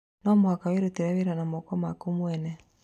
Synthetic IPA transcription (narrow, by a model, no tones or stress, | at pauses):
nɔmwakaweɾuteɾaβeɾanamɔkɔmakumuwɛnɛ